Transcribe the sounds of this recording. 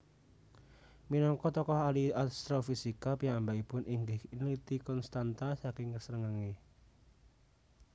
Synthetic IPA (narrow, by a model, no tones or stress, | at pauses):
minɔŋkɔt̪ɔkɔhaliast̪ɾɔfisikapijaŋambaipʊnʔiŋɡɪhinlit̪ikɔnst̪ant̪asakɪŋkəsəɾəŋaŋe